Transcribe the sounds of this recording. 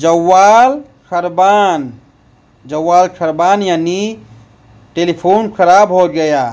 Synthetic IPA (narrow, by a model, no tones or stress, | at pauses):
d͡ʒəwːal | kʰəɾban | d͡ʒəwːalkʰəɾbanjani | ʈelipʰonkʰəɾabɦoɡəja